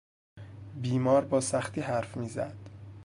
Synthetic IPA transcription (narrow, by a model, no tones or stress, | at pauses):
biːmɒːɾbɒːsæxt̪ʰiːɦæɾfmiːzæ̰d̪̥